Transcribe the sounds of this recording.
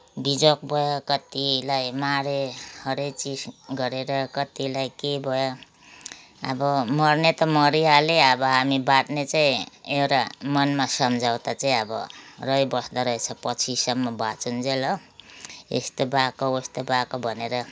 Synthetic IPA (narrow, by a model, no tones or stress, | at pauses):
bid͡zokbʱʌjokʌt̪ilajmaɾehʌɾet͡sisɡʌɾeɾʌkʌt̪ilajkebʱʌjo | ʌ̰bʌmʌrnet̪ʌmʌɾijaleʌbʌɦamibaʈnet͡saĩewɾamʌnmasʌmd͡zaw̃t̪at͡saĩʌbʌ̰rʌjbʌsd̪aɾʌɦet͡sʰʌpʌt͡sʰisʌmːʌbat͡sund͡zelʌ | ḛst̪obakoest̪obakobʱʌneɾʌ